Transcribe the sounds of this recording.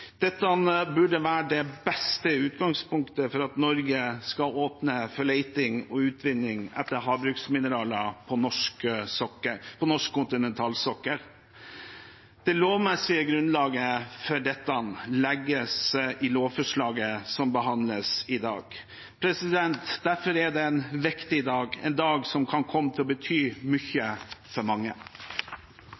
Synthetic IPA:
d̪̥ɛt̪ːənbʉɖəʋæːɖɛbɛst̪əʉːt̪ɡɑŋspʊŋkt̪əfɔɾɑt̪nɔɾɡəskɑoːpnəfɔɭeɪt̪ɪŋɔʉːt̪ʰʋɪnːɪŋɛ̰t̪ːəɾɦɑːbɾʉksmɪnəɾɑːləpʰɔnɔʂkəsɔkːəpʰɔnɔʂkʰːʊnt̪ɪnɛnt̪ʰɑːlsɔkːəɾ | d̪̥ɛloːʋmɛsɪəɡɾʉnlɑːɡəfœɖɛt̪ːənlɛɡːəsʔɪloːʋfɔʂɭɑːɡəsɔmbəɦɑnd̪ləsɪd̪ɑ̰ːɡ | pʰɾɛsɪd̪ɛnt̪d̪æɾfɔɾæɖɛɛnʋɪkt̪ɪd̪ɑːɡɛ̰nd̪ɑːɡsɔmkʰɑnkʰɔmːət̪ʰɪlɔbət̪ʰyːmʏçəfɔɾmɑŋːə

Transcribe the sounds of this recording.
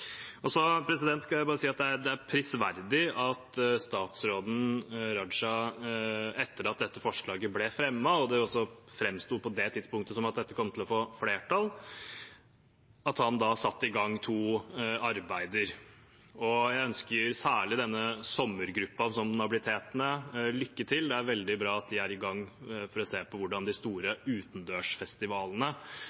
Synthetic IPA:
ɔsɔpʰɾɛsɪd̪ɛnt̪kʰɑlæɪbɑːɾəsiːɑt̪̚d̪ɛæɾd̪ɛæɾpʰɾɪsʋæɾd̪ɪɑt̪st̪ɑːt̪sɾoːd̪n̩ɾɑd̪ʂɑ | ɛt̪ːəɾɑt̪̚d̪ɛt̪ːəfɔʂɭɑːɡəblɛfɾɛmːɑɔd̪ɛɔsːɔfɾɛmst̪uːd̪̚pʰɔd̪ɛt̪ʰɪd̪spʊŋkt̪əsɔmɑt̪̚d̪ɛt̪ːəkʰɔmːt̪ʰɪlɔfoːfleːʈɑl | ɑt̪hɑnd̪ɑsɑt̪ːɪɡɑŋːt̪ʰuːɑɾbæɪd̪əɾ | ɔjæɪœnskəɾsæːɭɪd̪ɛnːəsɔmːəɾɡɾʉpːɑsɔmnɑbɪlɪt̪ʰeːt̪nəlʏkːət̪ʰɪld̪ɛæɾʋɛld̪ɪbɾɑːɑt̪̚d̪ɪæɾɪɡɑŋːfɔɾɔseːpʰɔʋʊɖɑnd̪ɪst̪uːɾəʉːt̪n̩d̪øːʂfɛst̪ɪʋɑːlənə

